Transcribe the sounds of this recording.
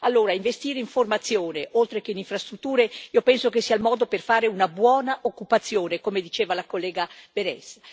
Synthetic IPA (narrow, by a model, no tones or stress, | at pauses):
alːoːɾaiɱvest̪iːɾeiɱformat̪sːjoːneʔolt̪ɾekeiniɱfɾast̪ɾut̪ːuːɾeiːopɛnsokesːialmɔːd̪operfaːɾeunabwɔːnaʔokːupat̪sːjoːnekomed̪it͡ʃeːvalakolːɛːɡab̥eɾɛ̰s